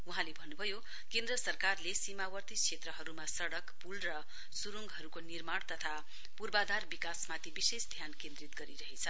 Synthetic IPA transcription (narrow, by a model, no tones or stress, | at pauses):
uɦãlebʱʌnːubʱʌjo | kend̪rʌsʌrkarlesimawʌrt̪ikʰet̪rʌɦʌɾumasʌɽʌkpulrʌ | suɾuŋɡɦʌɾukonirmaɽ̃t̪ʌt̪ʰa | purbad̪arbikasmat̪ibisesd̪ʱjankẽnd̪rit̪ɡʌɾiɾʌɦet͡sʰʌ